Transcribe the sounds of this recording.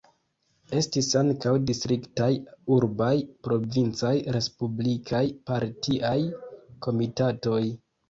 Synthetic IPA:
e̞stisaŋkawdistɾiktajuɾbajpɾo̞vint͡sajɾe̞spublikʰajpaɾtʰiʔajko̞mitato̞j

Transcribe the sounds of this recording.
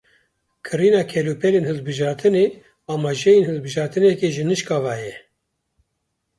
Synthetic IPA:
kʰɨɾiːnɑːkʰɛluːpʰɛlenhɨlbɨʒɑːɾt̪ʰɨne | ɑːmɑːʒɛjenhɨlbɨʒɑːɾt̪ɨnɛkeʒɨnɨʃkɑːvɑːjɛ

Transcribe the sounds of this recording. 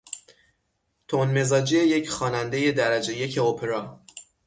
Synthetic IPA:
t̪ʰonme̞zɒːd͡ʒeejecxɒːnænd̪e̞je̞d̪æɾæd͡ʒe̞je̞cʰeopʰeɾɒː

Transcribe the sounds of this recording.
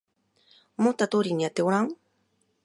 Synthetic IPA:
mot̪at̪oɾiniat̪eoɾaŋ

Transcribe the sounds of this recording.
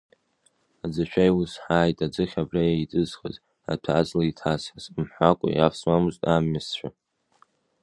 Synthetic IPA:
ad͡zaʃʷᶣʰajwʊsħaːjtʼad͡zɨχʲabrajait͡sʼɨzχə̰z | a̰tʰazlaitʰasħazmħʷakʷʼʊ̰jafsmamuztʼamːɪst͡ʃʷᶣa

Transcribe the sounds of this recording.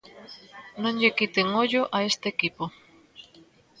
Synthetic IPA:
nõŋʎekit̪eŋoʎʊʔaest̪eːkipo

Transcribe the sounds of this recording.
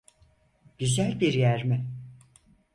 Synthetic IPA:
ɟ̥yzælʲbiɾjæɾmɪ

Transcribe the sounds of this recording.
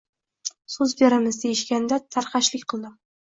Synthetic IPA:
sɵzbeɾɪmɪzd̪ejɪʃkʲand̪at̪ʰaɾqɑʃlɪkʲqʰɨlˠd̪ɪm

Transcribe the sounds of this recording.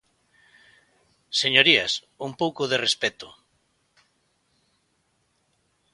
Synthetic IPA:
seɲoɾias | uŋpowkoðerespɛt̪o

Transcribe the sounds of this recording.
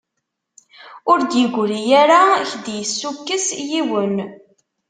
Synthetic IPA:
ʊɾd̪jəɡʷlijæɾaçd̪jəsːukːəsjiwən

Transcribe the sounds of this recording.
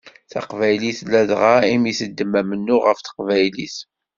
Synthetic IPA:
θɑ̰qvæjliθlæðʁaimjisəd̪ːəmːæmənːʊʁəfθə̥qvæjliθ

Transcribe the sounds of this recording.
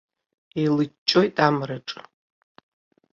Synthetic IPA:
elɨt͡ʃːʼojtʼamraʈ͡ʂʼ

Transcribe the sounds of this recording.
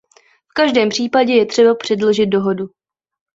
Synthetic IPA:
fkaʒdɛːmpr̝̥iːpaɟɛjɛt̪r̝̥ɛbapr̥ɛdloʒɪt̪̚do̞ɦo̞du

